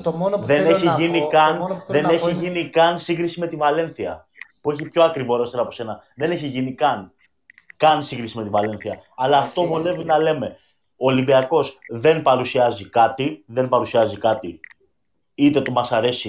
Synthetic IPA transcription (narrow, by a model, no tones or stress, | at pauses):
onðe̞neçiʝinnikɐnðe̞ne̞çiʝinikɐnsiŋɡɾisime̞t̪ivɐle̞nθiɐ | pue̞çipço̞ɐkɾivo̞ɾo̞st̪eɾɐpo̞se̞nɐðe̞ne̞çiʝinikɐn | kɐnsiŋɡɾisime̞t̪ivɐle̞nθiɐɐlɐːft̪o̞vone̞vinɐle̞me̞ | oːlimbiɐko̞sðe̞npɐɾusiɐzikɐt̪iðe̞npɐɾusiɐzikɐt̪i | it̪e̞t̪o̞mɐsɐɾe̞si